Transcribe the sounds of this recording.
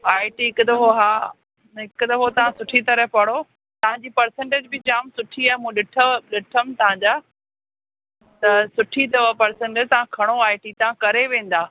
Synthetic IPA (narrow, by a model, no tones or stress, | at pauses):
aːɪʈiɦɪkt̪ɐɦoɦaː | ɦɪkt̪ɐɦot̪ɐʋ̤ãsʊʈʰit̪ɐɾəɦpɐɽ̃o | t̪ɐʋ̤ãɲd͡ʑiːpɐɾsẽɳʈeːd͡ʑbɪd͡ʑaːmsʊʈʰiaːɦemũːɗɪʈʰəɗɪʈʰəmt̪ɐʋ̤ãɲd͡ʑaː | t̪ɐsʊʈʰid̪ɐʋpɐɾsẽɳʈed͡ʑt̪ɐʋ̤ãkʰɐɽ̃oaːɪʈit̪ɐʋ̤ãkɐɾeʋẽːn̆d̪aː